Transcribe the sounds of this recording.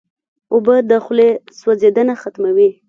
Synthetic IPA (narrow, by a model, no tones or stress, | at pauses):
obəd̪əxleswazed̪ənaxat̪mawi